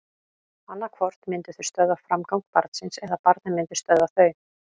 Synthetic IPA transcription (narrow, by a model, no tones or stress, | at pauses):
anːakʰvɔɾ̥t̪nmɪnt̪ʏθʏ̥st̪œðafɾamkawŋk̚pa̰ɾt̪sɪnsɛðapaɾt̪namɪnt̪ʏ̥st̪œðaθœɥ